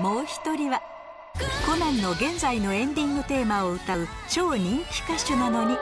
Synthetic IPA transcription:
mo̞ːçi̥t̪o̞ɾʲiβa | ko̞nẽ̞nːo̞ɡẽ̞nd͡zaino̞ẽ̞nd̪ʲĩŋɡɯ̟t̪e̞ːmao̞ɯ̟t̪aɯ̟t͡ɕo̞ːɲ̟ĩŋkʲi̥kaɕɨnano̞ɲ̟i

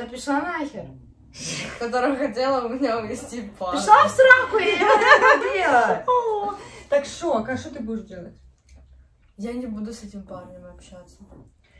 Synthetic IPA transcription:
t̪apʲɪʂslˠanaxʲɪr | kɐt̪o̞ɾəjxɐt̬ʲelˠəʊmʲɪnʲaʊvʲɪsʲtʲipapɪʃlˠafsɾakʊiɐbelˠəot̪akʂokakʂt̪ot̪ɨbudʲɪʂdʲelˠətʲ | janʲɪbud̪ʊsɛtʲɪmparnʲɪmɐpɕat̪sːə

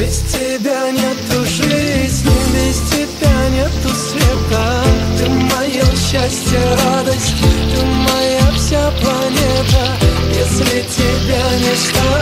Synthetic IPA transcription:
bʲɪzʲt̪ʲɪbʲanʲet̪ːʊʂlʲɪsʲlʲɪbʲɪzʲt̪ʲɪb̥ʲanʲet̪ːʊsvʲet̪at̪ɨmɐjeɕːasʲtʲɪjeɾad̪əsʲtʲtʲt̪ɨmɐjafsʲaplˠɐnʲet̪ə | jɛsʲlʲɪtʲɪbʲanʲeʂt̪ɐ

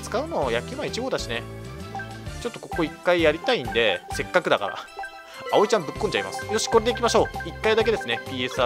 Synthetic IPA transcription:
t͡sɨ̥kaɯ̟no̞jakʲimait͡ɕiɡo̞ːd̪aɕine̞ | t͡ɕo̞t̪ːo̞ko̞ko̞ikːaijaɾʲit̪aĩnd̪e̞se̞kːakɯ̟d̪aka̰ɾa̰ | ao̞it͡ɕãmbɯ̟kːõɲ̟t͡ɕaima̰sɨ̥jo̞ɕi̥ko̞ɾe̞d̪eikʲimaɕo̞ːikːaid̪ak̬e̞d̪e̞sɨne̞pʲiːe̞sɨa

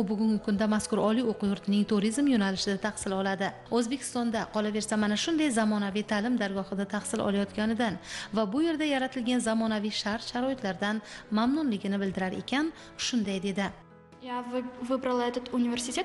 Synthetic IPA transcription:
ʊbʊɡʲʊŋɡʲɪkʰʊnd̪amaskʊɾɒlioqʊjʊɾt̪ʰɪnɪŋt̪ʰʊɾizmjonalɪʃɪd̪at̪ʰɑχsɪlɒlad̪ɪ | ɵzbe̞kʲʰɪ̥st̪ɒnd̪aqʰɒlˠave̞ɾsamanaʃʊnd̪ajzamɒnavijt̪ʰalɪmd̪aɾɡɒhɨd̪at̪ʰaχsɪlʔɒ̰lˠajɒt̪kʲanɪd̪anvabʊje̞ɾd̪ajaɾat̪ʰɪlɡʲanzamɒnavijʃaɾt̪ʃaɾɒɪt̪laɾd̪anmamnʊnlɪɡʲɪnɪbɪld̪ɪɾaɾe̞̰kʲʰan | ʃʊnd̪ajd̪e̞d̪ɪ | javɪbɾɪlˠad̪ɪt̪unʲivʲeɾsɪt̪ʰʲe

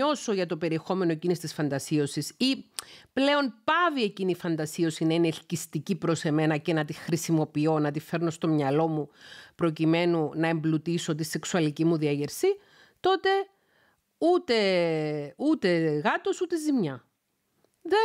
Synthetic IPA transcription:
o̞so̞ʝɐt̪o̞pe̞ɾie̞xo̞me̞no̞ecinisi̥t̪isfɐnd̪ɐsio̞sisiple̞o̞npɐvie̞cinifɐnd̪ɐsio̞sinɐinelcist̪icipɾo̞se̞me̞nɐce̞nɐt̪ixɾisimo̞pio̞nɐt̪ife̞ɾno̞st̪o̞mɲɐlo̞mupɾo̞cime̞nunɐe̞mblut̪isot̪̬ise̞ksuɐlicimuðiɐʝeɾsi | t̪o̞t̪e̞ | ut̪e̞ | ut̪e̞ɣɐt̪o̞sut̪e̞zimɲɐ | ðe

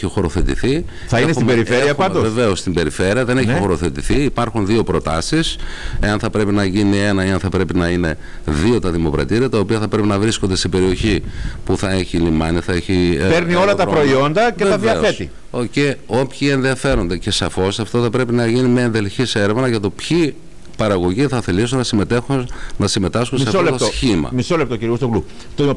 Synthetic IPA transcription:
çixo̞ɾo̞θe̞t̪ḭθi | θɐinesimbeɾifeɾeiɐɐnd̪oveve̞o̞st̪imbe̞ɾife̞ɾiɐðe̞neçnixo̞ɾo̞θet̪iθiːpɐɾxunðio̞pɾo̞t̪ɐsiseɐnθɐpɾe̞pinɐʝinie̞nɐiɐnθɐpɾe̞pinɐine̞ | ðio̞t̪ɐðimo̞kɾɐ̰t̪iɾiɐt̪ɐo̞piɐθɐpɾe̞pinɐvɾiskond̪e̞st̪ibe̞ɾio̞çipuθɐe̞çilimɐniθɐe̞çipeɾnio̞lɐt̪ɐpɾo̞io̞nd̪ɐcet̪ɐvðiɐfoe̞st̪i | oce̞o̞pçienðiɐfe̞ɾo̞nd̪e̞ce̞sɐfo̞sɐft̪o̞θɐpɾe̞pinɐʝinimeenðe̞lçise̞ɾe̞vnɐʝɐt̪o̞pçi | pɐɾɐɣo̞ʝiθɐθelisunnɐsimet̪exnɐsime̞t̪ɐsxunsseɐfoolet̪oosçimɐ̰misolep̚t̪ociɾiost̪oklu | t̪o

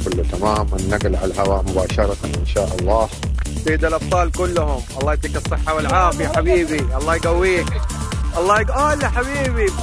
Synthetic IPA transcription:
kʊlːt̪amaːmɪnːaɡlʕalhawaːʔmʊbaːʃɑɾˤɑt̪anʔɪnʃaːʔɑlˤːɑːhbeːd̪alʔɑb̚t̪ˤɑːlkʊlːʊhʊmʔɑlˤːɑːjt̪iːkɨsˤːɨħːawɪlʕaːfɪjaħabiːbiʔɑlˤːɑːjɡawːiːk | ʔɑlˤːɑːjɡʔoːɪlːaħaβiːbi

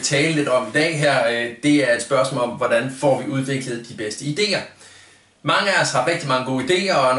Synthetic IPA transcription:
t͡sʰɛːləle̝d̥ɒ̽mid̥ɛ̰ːɦæɐ̰d̥e̝æɐe̝d̥sb̥ɶɐsmɔ̰ːlɒ̽mʋɒd̥ænfɒ̰ːʋiuð̞ˠʋe̝ɡ̥ləð̞̩ˠd̥ib̥esd̥əid̥e̝̰ːɐ | mɑ̈ŋəæɒshɑ̈ʁeɡ̥̚d̥imɑ̈ŋəɡ̥o̝̰ːid̥e̝̰ːɐɒn

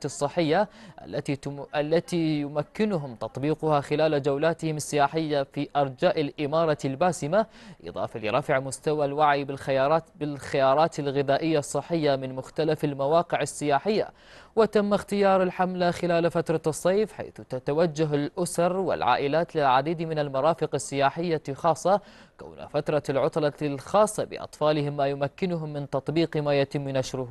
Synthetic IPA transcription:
ɨsˤːɨħːɪjːaʔa̰lːaialːat̪ijʊmakːɪnʊɦʊmt̪ɑt̪ˤbiːqʊhaxɪlaːlad͡ʒawlaːt̪ɪhɪmɪsːɪjaːħɪjːafiʔɑɾˤd͡ʒaːʔɪlʔɪmɑːɾˤɑlbaːsɪmaʔɨ̰ðˤɑ̰ːfalɪ̰ɾˤɑfʕmʊst̪awalwaʕjɪbɪlxɪjɑːɾˤɑːt̪ɪlɣɪðaːʔɪjːasˤːɨħːɪjːamɪnmʊxt̪alafalmawɑːqɪʕɪsːɪjaːħɪjːa̰ | wɪt̪amːaxt̪ɪjɑːɾˤɪlħamlaxɪlaːlfat̪ɾˤɑsˤːɑːfħa̰jθt̪at̪awad͡ʒːaɦalʔʊsɑɾˤwɪ̰lʕa̰ːʔɪlaːt̪lɪlʕad̪iːd̪mɪnalmɑɾˤɑːfɪqɑsːɪjaːħɪjːaxɑːsˤːɑka̰wn̰fat̪ɾˤɑlʕʊt̪ˤlɑlxɑːsˤːɑbɪ̰ʔɑ̰t̪ˤfɑːlɪhɪmːaːjʊmakːɪnʊɦʊmːɪnt̪ɑt̪ˤbiːqmaːjat̪ɪmːnaʃɾʊh

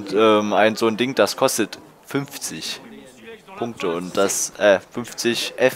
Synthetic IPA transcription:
ntʔɛːmʔaɪnzoːndɪŋd̥askʰɔstət | fʏnft͡sɪç | pʰʊŋk̚tʰəʊnt̚d̥asʔɛːfʏnft͡sɪçʔɛ

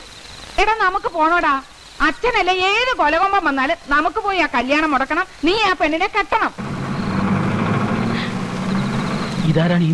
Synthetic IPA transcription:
eɽɐnɐmukːɨpo̞ːɳoːɽaː | ɐt͡ɕːɐnɐlːɐeːðɨkolɐɣombɐmenːaːlnɐmukːɨpo̞ːjaːkɐljaːɳɐmɔɽɐkːɐɳɐmniːaːpe̞ɳːinekeʈːɐɳɐm | iðaːɾaːɳiː

